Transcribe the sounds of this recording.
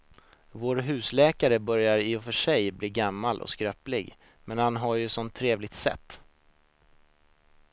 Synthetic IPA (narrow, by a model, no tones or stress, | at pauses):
voːɾɦʉ̟ːslɛːkaɾəbœɾjaɾɪɔfœʂɛjbliːɡamːalʔɔ̰skɾœːplɪɡ | mɛnhanɦaɾjɵsɔnt̪ʰːɾeːvlɪɡ̚t̪sɛ̰t̪ː